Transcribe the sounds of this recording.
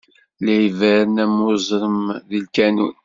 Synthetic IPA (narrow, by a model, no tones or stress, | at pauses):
læjivæɾənæmʊzˤɾˤəmðilkænṵn